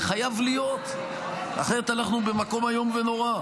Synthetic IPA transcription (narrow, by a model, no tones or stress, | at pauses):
χajavlijo̞t̪ | a̰χeʁet̪alnaχnube̞mako̞majo̞mve̞no̞ʁa